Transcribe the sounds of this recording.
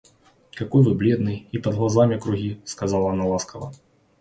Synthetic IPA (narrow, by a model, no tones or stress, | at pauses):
kakɔjvɨblʲɛd̪nɨjipɐd̪ɣlˠazamʲikɾuɣʲiskazalˠɐːnɐlˠaskɐvɐ̰